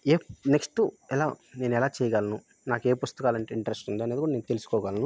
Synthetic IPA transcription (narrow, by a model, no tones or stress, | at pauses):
eːneksʈuɛlaːne̞ːnɛlaːt͡ʃɛːjɐɡaːlɐnu | naːkeːpust̪ɐkaːlɐɳʈeːiɳʈɐɾesʈund̪iɐned̪ikuɽaneːnut̪e̞lusu̥kɔːɡaːlɐnu